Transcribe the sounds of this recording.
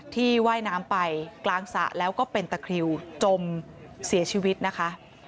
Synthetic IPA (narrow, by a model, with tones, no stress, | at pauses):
t̪ʰiː˥˩waː˥˩jnaː˦˥mpa˧jklaː˧ŋsa̰˨˦ʔlɛː˦˥wkɔː˥˩pe˧nt̪a˧kʰɾi˧wt͡ɕo˧m | si˩˦ɐt͡ɕʰiː˧wi˦˥t̪̚na˦˥kʰa˦˥ʔ